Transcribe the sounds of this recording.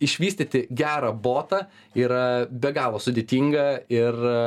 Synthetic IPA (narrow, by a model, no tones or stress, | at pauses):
ɪʃʲʋʲiːsʲt̪ʲit̪ʲɪɡʲæːɾɑboːt̪ɑː | iːɾɐbʲɛɡɑːlˠoːsʊd̪ʲeːt̪ʲiːŋɡɐɪr